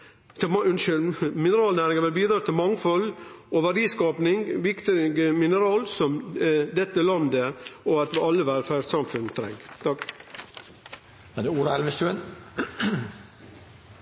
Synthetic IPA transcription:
t̪ʰʉnʃʏlmɪnəɾɑːlnæːɾɪŋəɾʋɪlbiːd̪ɾɑːt̪ʰɪlmɑŋfɔlɔʋæɾiːskɑːpnɪŋʋɪkt̪ɪɡəmɪnəɾɑːlsɔmd̪ɛt̪ːəlɑnd̪əɔɑt̪ʋɪɑlːəʋæɾfæsɑmfʉnt̪ʰɾɛ̰ŋɡt̪ʰɑk | æd̪ɛuːɾɑɛlʋəst̪ʉən

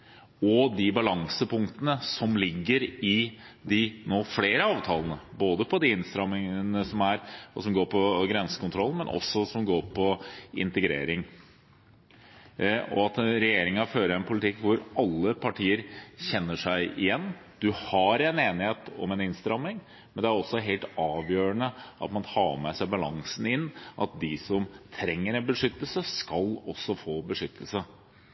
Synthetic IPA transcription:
ɔd̪ɪbɑlɑŋsəpʰʊŋkt̪ənəsɔmlɪɡːəɾɪ | d̪ɪnoːfleːɾəɑːʋt̪ʰɑːlənəboːd̪əpʰɔd̪ɪɪnst̪ɾɑmɪŋənəsɔmæɾsɔmɡoːɾpʰɔɡɾɛnsə̥kʊnt̪ʰɾɔlːmɛnʔɔ̰sːɔsɔmɡoːɾpʰɔɪ̰nt̪əɡɾḛːɾɪŋ | ɔ̰ɑt̪ɾɛjeːɾɪŋɑføːɾəɛnpʰʊlɪt̪ʰɪkːʋʊɾʔɑlːəpʰɑʈʰiːəɾçɛnːəʂæɪʔɪjɛnːd̪̥ʉhɑɾɛneːnɪheːt̪ɔ̰mɛnɪnst̪ɾɑmːɪŋ | mɛnd̪ɛæɾɔsːɔɦeːlt̪ɑːʋjøːɾənəʔɑ̰t̪mɑnt̪ʰɑːmɛsæɪbɑlɑŋsnɪnːʔɑ̰t̪̚d̪ɪsɔmt̪ʰɾɛŋːəɾɛnbəʂʏt̪ːəlsəskɑlɔsːɔfoːbəʂʏt̪ʰːəlsə

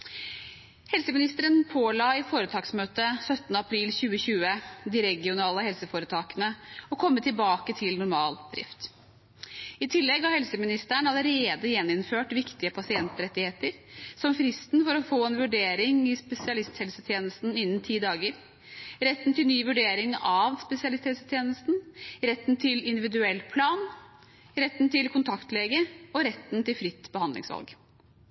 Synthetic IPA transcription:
hɛlsəmɪnɪst̪əɾənpʰoːlɑɪfoːɾət̪ʰɑːksmøːt̪əsœt̪nəɑpʰɾiːlçʉːəçʉːəd̪ɪɾɛɡɪʊnɑːləhɛlsəfoːɾət̪ʰɑːkənəɔkʰɔmːət̪ʰɪlbɑːkət̪ʰɪlnʊɾmɑːld̪ɾɪ̰ft̪ | ɪt̪ʰɪlːɛɡhɑhɛlsəmɪnɪst̪æɳɑləɾeːd̪əjɛnːɪnføːʈʋɪkt̪ɪəpʰɑsɪɛnt̪ɾɛt̪ːɪheːt̪əɾsɔmfɾɪst̪nfɔɾɔfoːɛnʋʉɖeːɾɪŋɪspɛsɪɑlɪst̪hɛlsət̪ʰjeːnəst̪n̩ɪnːnt̪ʰiːd̪ɑːɡəɾ | ɾɛt̪ːnt̪ʰɪlnyːʋʉɖeːɾɪŋɑʋspɛsɪɑlɪst̪ʰhɛlsə̥t̪ʰjeːnəst̪n̩ɾɛt̪ːnt̪ʰɪlɪnd̪ɪʋɪd̪ʉɛlːpʰlɑːn | ɾɛt̪ːnt̪ʰɪlkʰʊnt̪ʰɑkt̪leːɡəɔɾɛt̪ːnt̪ɪlfɾɪt̪ːbəhɑnd̪lɪ̰ŋsʋɑ̰lɡ

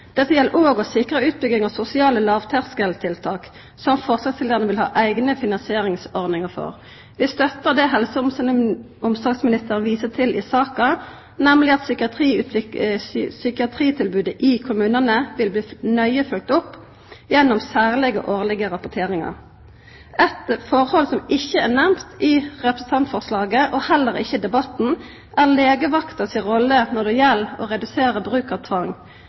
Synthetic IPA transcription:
d̪̥ɛt̪ːəjɛlːəʁʔoːɡɔsɪkʁəʉːt̪̚bʏɡɪŋɑsʊsɪɑːləlɑːʋt̪ʰæʁskəlt̪ʰɪlt̪ʰɑːk | sɔmfɔʁsɑsʰɪld̪əʁənəʋɪlhɑ̰ːʔæɪɡnəfɪnɑnsɪeːʁɪŋsɔʁd̪nɪŋəʁfɔ̰ʁ | ʋɪst̪œt̪ːəʁd̪ɛɦɛlsəʊmsənə | ʊmsɑɡsmɪnɪst̪əʁənʋiːsət̪ʰɪlʔɪ̰sɑːkɑ | nɛmlɪɑt̪sʏkɪɑt̪iːʉt̪ | sʏkɪɑt̪ʰʁiːt̪ʰɪlbʉːd̪əʔɪkʰʊmʉːnənəʋɪlbliːnœʏəfʉlk̚t̪ʊpː | jɛnːɔmsæːʁlɪɡə̰ʔoːʁlɪɡəʁɑpɔt̪ʰeːʁɪŋɑ̰ʁ | ɛt̪fɔʁhɔlsɔmɪçːəænæʁmt̪ɪʁɛpɾəsən̩t̪ʰɑnt̪fɔʁslɑːɡəʔɔhɛlːəʁɪ̰çːəd̪ɛbɑt̪n̩ | ʔæʁleːɡəʋɑkt̪əsɪʁɔlːənɔd̪ɛjɛlːɔ̰ːʁɛd̪ʉseːʁəbʁʉːkɑʋt̪ʰʋɑŋ

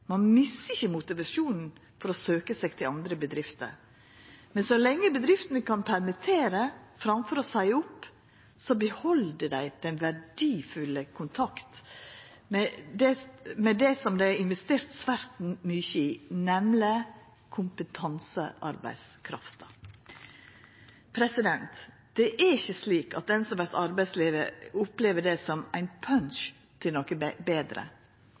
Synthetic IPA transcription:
mɑnmɪsəɪçːəmʊt̪ɪʋɑʂuːnn̩ | fɔɾɔsøːkəsɛɡt̪ʰɪlɑnd̪ɾəbəd̪ɾɪft̪ə̰ɾ | mɛnsɔlɛŋːəbəd̪ɾɪft̪ənəkʰɑnpʰæɾmɪt̪ʰeːɾəfɾɑmfɔɾɔsæɪʊpː | sɔbəhɔld̪əd̪æɪd̪̥ɛnʋæɖiːfʉləkʰʊnt̪ʰɑkt̪ | mɛd̪ɛmɛd̪ɛsɔmd̪æɪɪnʋɛst̪eːɾt̪sʋæɾt̪n̩myçəiːnɛmlə | kʰʊmpət̪ʰɑnsə̰ʔɑ̰ɾbæ̰ɪskʰɾɑ̰ft̪ɑ | pʰɾɛsɪd̪ɛnt̪ | d̪̥ɛʔæɾɪçːəsliːkɑt̪̚d̪ɛnsɔmʋæɾt̪ɑɾbæɪsliːʋə̰ʊpleːʋəɖɛsɔmæɪnpʰœnʃ | t̪ʰɪlɔkəbeːd̪ɾə̰

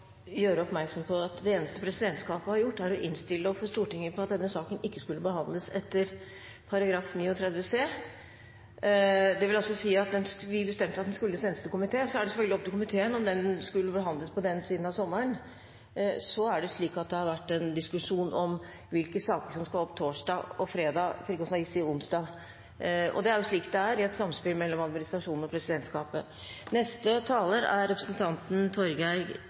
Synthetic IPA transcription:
jøːɾəɔpmæɾksɔmpʰɔɑt̪d̪ɛeːnəst̪əpʰɾɛsɪd̪ɛnt̪skɑːpəhɑɾjʊʈːæɾɔʔɪnst̪ɪlːəɔfɔʂt̪uːʈɪŋːəpʰɔɑt̪̚d̪ɛnːəsɑːkənɪkːəskʉlːəbəhɑnd̪ləsɛt̪ːəɾ | pʰɑɾɑɡɾɑːfniːɔt̪ʰɾɛd̪ʋəseː | d̪ɛʋɪlɔsɔsiːɑt̪̚d̪ɛnsʋɪbəst̪ɛmt̪əɾɑt̪d̪ɛnskʉlːəseːnəst̪əkʊmɪt̪ʰeːsɔæɖɛsɛfœlɡlɪɔp̚t̪ɪkʊmɪt̪ʰeːənɔmd̪ɛnskʉlːəbəɦɑnd̪ləspʰɔd̪ɛnsiːd̪n̩ɑʋsɔmːəɾəɳ | sɔæɖɛʂɭiːkɑt̪̚d̪ɛhɑɾʋæʈːɛnd̪ɪskʉʂuːnʔɔm | ʋɪlkəsɑːkəʂɔmskɑlɔpːt̪ʰoːʂdɑːɔfɾeːd̪ɑːfɾiːkɔsnɑɪsɪʊnsd̪ɑː | ɔ̰d̪ɛæɾjʊʂɭiːkt̪d̪ɛæɾɪɛt̪sɑmspɪlmɛlːɔmɑd̪mɪnɪst̪ɾɑʂuːnn̩ɔpʰɾɛsɪd̪ɛnt̪skɑːpə̰ | nɛst̪ət̪ʰɑːləɾæɾːɛpɾəsənt̪ʰɑnt̪n̩t̪ʰɔɾɡæɪ

